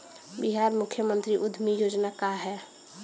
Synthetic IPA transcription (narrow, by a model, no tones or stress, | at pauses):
biɦaːɾmʊkʰjəmənt̪ɾiʔʊd̪ʱmijoːd͡ʒnakaɦɛː